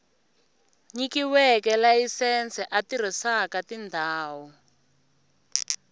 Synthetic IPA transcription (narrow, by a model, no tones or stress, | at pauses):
ɲikiwɛkɛlajisɛnt͡sɛʔatir̤isakatindʱaːwɔ